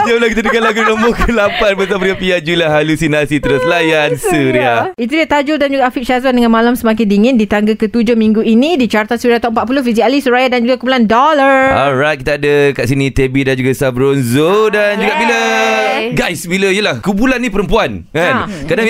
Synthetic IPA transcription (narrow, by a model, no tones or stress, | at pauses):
sialakit̪adəkaʔlaɡuləmokəlapanbət̪̬apəɾiapiad͡ʒuilaɦalusinasit̪əɾʊslajansuɾiait̪̬udat̪ad͡ʒudand͡ʒuɡaʔfik̚ʃazandəŋãnmalamsəmak̬ɪndiŋɪ̃ndit̪aŋɡakət̪ud͡ʒohmĩŋɡuinĩdit͡ʃart̪asuɾiat̪aəmpaʔ̪̚p̬ulofizialisuɾajadand͡ʒuɡakubulandɔlaaɾaj̪̚kit̪aːdəkaʔsinit̪ebidand͡ʒuɡasabɾonzodand͡ʒuɡaʔbilə | ɡajsbiləijəlahkubulanːĩpəɾəmpuankankadaŋ